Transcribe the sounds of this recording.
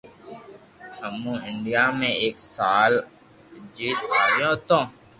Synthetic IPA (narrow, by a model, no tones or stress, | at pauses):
əmũɪɳɖijaːmẽeːksaːl | d͡ʒiːt̪jõːt̪õː